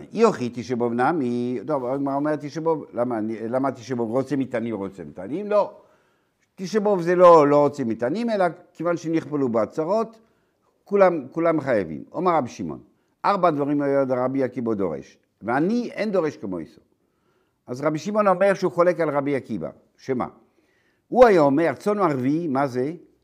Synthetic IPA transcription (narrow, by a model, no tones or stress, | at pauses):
ioχit̪iʃebovnamit̪ovaɡmaʁaomeʁt̪iʃebovlamanilamat̪iʃ̬ebovʁot͡semit̪animʁot͡semit̪a̰nimlo | t̪iʃebovzeloloʁot͡semit̪animelakevanʃemniχpelubeat͡saʁot̪ | kulamkulamχajavḭmo̰meʁːabiʃimo̰n | aʁbad̪vaʁimajod̪aʁabiakibad̪o̰ʁḛʃ | veaniend̪oʁeʃkemo̰ḭso̥ | azʁabiʃimo̞no̞meʁʃeuχolekalʁabiakiba̰ | ʃema̰ | uajaomeʁt͡sonaʁvimaze